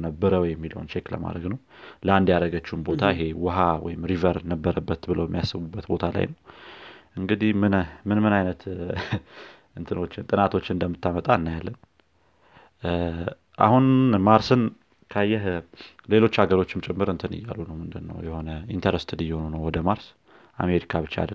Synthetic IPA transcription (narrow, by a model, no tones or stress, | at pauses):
nəbːəɾəwjɛmːilə̰wnt͡ʃeklə̰ma̰d̪ɾəɡnəw | ləand̪jaɾəɡət͡ʃːɪhumbo̞t̪ʰaɪɦe̞wʊɦawɔ̰jɪmɾivəɾnəbːəɾəbːət̪bɨləwjɛmijasːɨβubːət̪bo̞t̪ʰala̰jnəwʔɨŋɡɨd̪ihmɨnmɨnmɨnajnət̪ | ɨnt̪ʰɨno̞t͡ʃːɪnt̪ʼɨnat̪ʰo̞t͡ʃːɪnɨnd̪əmːɨt̪ʰːamət̪ʼaɨnːajalːən | ʔa̰hunmaɾsɨn | kʰajːɛɦle̞lo̞t͡ʃːaɡəɾo̞t͡ʃːɪmt͡ʃʼɛmːɨɾɨnt̪ʰɨnɨ̰jːa̰lːunəwmɨnd̪ɨnːə̰wjɛho̞nəint̪ʰəɾəst̪ʰɨd̪ijːɛhonunəwwɔd̪əmaɾs | ʔa̰me̞ɾikʰaβɨt͡ʃːaa̰d̪ə